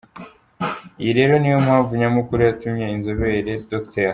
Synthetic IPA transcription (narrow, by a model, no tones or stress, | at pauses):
ijiɾe̞ːɾo̞nijomhaːɱvuɲamukuɾijatumɲeinzoβeɾe̞dokte